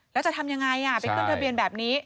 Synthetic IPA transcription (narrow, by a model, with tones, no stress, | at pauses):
lɛː˦˥wt͡ɕa˨˩t̪ʰa˧mja˧ŋa˧jʔa˧˩pa˧jkʰɯ˥˩nt̪a˧bi˧ənbɛː˨˩p̚niː˦˥